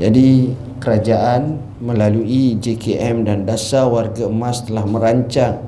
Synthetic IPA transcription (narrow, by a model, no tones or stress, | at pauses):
d͡ʒadi | kəɾad͡ʒaʔan | mə̃laluid͡ʒekeɛmdandasawarɡaəmãst̪əlahmə̃ɾaɲt͡ʃaŋ